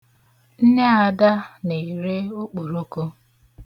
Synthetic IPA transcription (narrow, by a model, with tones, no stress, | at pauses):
n̩˦ne˦a˨da˦ne˨ɾe˦o˦k͡po˨ɾo˦ko˦